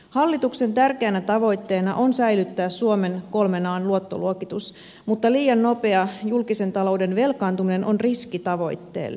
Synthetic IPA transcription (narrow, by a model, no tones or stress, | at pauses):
hɑlːit̪ukse̞nt̪ærkeænæt̪ɑʋo̞jt̪ːe̞ːnɑ̰ʔo̞nsæjlyt̪ːæːssuome̞nko̞lme̞nɑːnluo̞t̪ːo̞̰luokit̪us | mut̪ːɑliːjɑnno̞pe̞ɑjulkise̞nt̪ɑlo̞wde̞nʋe̞lkɑːnt̪umine̞nʔo̞nriskit̪ɑʋo̞̰jt̪ːe̞̰ːl